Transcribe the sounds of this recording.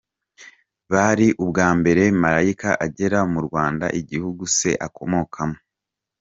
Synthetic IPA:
βaɾiʔubɡaːmbe̞ɾe̞maɾaikaʔaɟe̞ɾamuɾɡwaːnda̰ʔiɟihuɡuse̞̰ʔakʰo̞̰mo̞kʰamo̥

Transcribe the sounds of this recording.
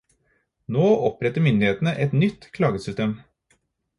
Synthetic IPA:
noːɔpɾɛt̪ːəɾmʏnd̪ɪheːt̪nəʔɛt̪nʏt̪ːkʰlɑːɡəsʏst̪eːm

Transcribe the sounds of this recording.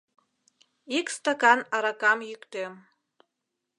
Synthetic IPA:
ikst̪ɑkɑnɑɾɑkɑmjykt̪em

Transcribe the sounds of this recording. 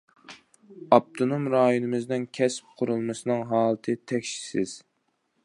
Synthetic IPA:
ɑp̚t̪ʰonumɾɑːjunɨmɨznɪnkʲʰɛsp̚qʰʊɾulˠmɨsɨnɨŋɦɑːlˠɨt̪ʰɨt̪ʰɛkʲʃi̥sɪz̥

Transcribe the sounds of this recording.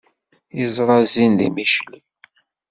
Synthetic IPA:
izɾˤɑzinðḭmiʃli

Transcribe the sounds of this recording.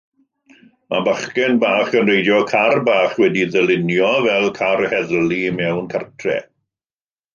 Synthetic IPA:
mʔa̰baχkɛnbaːχənrejdjɔkʰarbaːχwɛdiðəlɪnjɔvɛlˠkʰarhɛðlˠimɛwnkʰartʰrɛ̰

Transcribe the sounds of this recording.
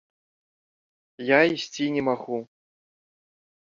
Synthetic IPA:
jaisʲt͡sʲinʲɛmaɣu

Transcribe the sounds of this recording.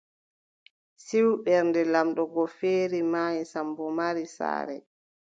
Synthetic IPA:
siwɓɛɾndɛlamɗɔɡɔfeːɾimajisambɔmaɾisa̰ːɾɛ̰

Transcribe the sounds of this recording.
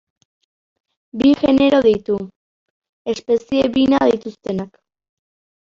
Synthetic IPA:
biʝe̞ne̞ɾo̞ðit̪u | e̞spe̞sieβinað̞it̪ust̪e̞nak

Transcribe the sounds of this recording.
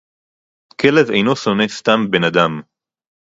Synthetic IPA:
kʰelevejno̞so̞nest̪ambenad̪am

